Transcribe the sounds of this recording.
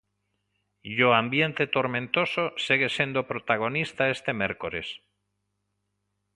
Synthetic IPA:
ʎoambje̞nt̪et̪oɾmẽnt̪o̞sosiɣesje̞nd̪opɾot̪aɣ̞o̞nist̪aest̪emeɾkoɾes

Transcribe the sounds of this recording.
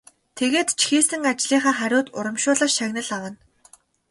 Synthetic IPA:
t̪ʰeɣeːt̪t͡ɕʰixiːsɘ̆ŋat͡ɕɮiːχaːrχæɾʲʊːt̪ʊɾə̆mʃʊːɮə̆ʃæɣnə̆ɮawə̆n

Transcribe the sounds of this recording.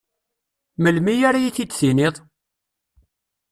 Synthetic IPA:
məlmijaɾajiθid̪θinɪðˤ

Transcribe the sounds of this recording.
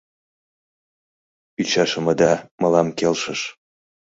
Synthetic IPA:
yt͡ɕɑʃəməd̪ɑmɤ̆lɑmkelʃəʃ

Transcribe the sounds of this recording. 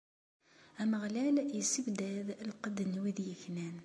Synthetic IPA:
æməʁlæljəsəbd̪æðlqəd̪ənwiðjəçnæn

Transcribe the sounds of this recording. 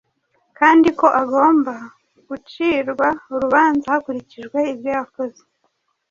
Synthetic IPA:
kaːndiko̞ʔaɡo̞ːmba | ɡ̥ut͡ʃiːɾɡwauɾuβaːnzahakuɾiciʒɡwe̞ibjojakoze

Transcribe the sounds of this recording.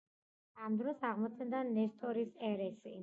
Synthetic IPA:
amd̪ɾɔsaʁmɔt̪sʰɛnd̪anɛst̪ʰʼɔɾisɛɾɛsi

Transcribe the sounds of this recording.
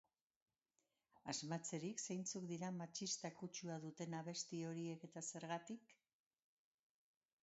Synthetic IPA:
azmat͡se̞ɾikse̞jnt͡sukd̪iɾamat͡ʃist̪akut͡ʃuaðut̪e̞naβ̞e̞st̪io̞ɾie̞ke̞t̪ase̞ɾɣat̪ik

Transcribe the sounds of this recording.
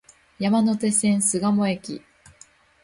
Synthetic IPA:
jamano̞t̪e̞sẽ̞ɰ̃sɨɡamo̞e̞kʲḭ

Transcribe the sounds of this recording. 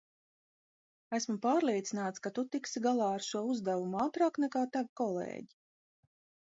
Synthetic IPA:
æsmupaːɾlˠiɛt̪sinaːt̪skat̪ut̪iksiɡalˠɑːɾʃuɔuzd̪ɛvumuaːt̪ɾaːknɛkaːt̪avikɔlˠḛːɟi

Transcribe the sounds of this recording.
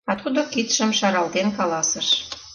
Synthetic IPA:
ɑt̪ud̪okit̪ʃə̆mʃɑɾɑld̪enkɑlɑsəʃ

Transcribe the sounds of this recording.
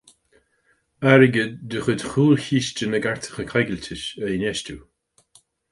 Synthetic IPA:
aɾəɡədd̪əxəd̪xuːlçiːʃt͡ʃənəɡaɹt̪ʰə̥xəkʰajɡəlʲtʰɪʃəɪnɛʃtu

